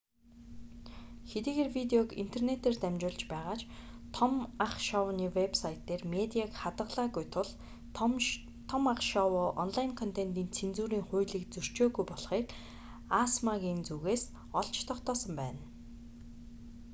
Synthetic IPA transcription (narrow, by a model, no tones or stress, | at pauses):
xet̪iːɣeːrwit̪eɔkḭn̥t̪ʰernet̪eːrt̪æmʲt͡ɕʊːɮt͡ɕpæːʁaːt͡ɕt̪ʰɔmaχʃɔwniːwepsajʰt̪ːeːrmet̪ʲiakχat̪ə̆qɮaːɣujt̪ʰʊɮ | t̪ʰɔmaχʃɔwʊːʔɔnɮajɪnkʰɔn̥t̪ʰent̪iːnt͡sʰent͡suːɾiːŋχʊːɮiːk̚t͡sɵr̥t͡ɕoːɣujpɔɮχiːk | asmaɣiːnt͡suɣeːs | ɔɮt͡ɕt̪ʰɔχt̪ɔːsə̆mpæ̰ːn